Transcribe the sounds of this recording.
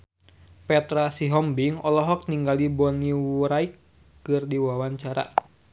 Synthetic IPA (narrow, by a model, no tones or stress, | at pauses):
pɛt̪ɾasiɦɔmbiŋɔlɔɦɔk̚niŋɡalibɔniwɾaikː | ɨrdiwawaɲt͡ʃaɾa̰